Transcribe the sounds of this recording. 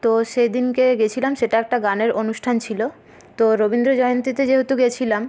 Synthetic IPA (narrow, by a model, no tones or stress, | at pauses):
t̪oʃejd̪inkeɡet͡ɕʰilamʃeʈaɛk̚ʈaɡaneɾonuʃʈʰant͡ɕʰilo | t̪oɾobind̪ɾod͡ʑɔjont̪it̪ed͡ʑeɦot̪uɡet͡ɕʰilam